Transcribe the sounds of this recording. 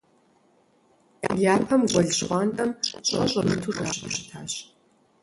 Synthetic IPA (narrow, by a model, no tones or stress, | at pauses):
ʔɐ̰jaːpʰɐmɡʷɔɮɕχʷɑːntʼɐmɕʼɐ̰ɕʼɐmɨtʰuːda̰ːɕʼɐʃɪ̥tʰaːɕ